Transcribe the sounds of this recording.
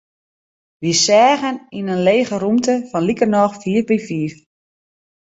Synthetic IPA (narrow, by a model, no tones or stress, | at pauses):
ʋisɛːɣəninənleːɣərumtəfɔnlikərnɔxfiːrbifiːf